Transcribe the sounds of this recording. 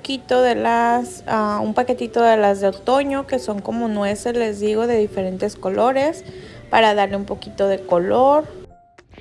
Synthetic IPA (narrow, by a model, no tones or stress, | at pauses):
kit̪o̞ðe̞las | aṵmpake̞t̪it̪o̞ðe̞lazðeot̪o̞ɲo̞ke̞so̞ŋko̞mo̞nwesele̞zðiɣo̞ðe̞ðife̞ɾe̞nt̪e̞sko̞lo̞ɾe̞spaɾaðaɾleumpo̞kit̪o̞ð̞e̞ko̞lo̞ɾ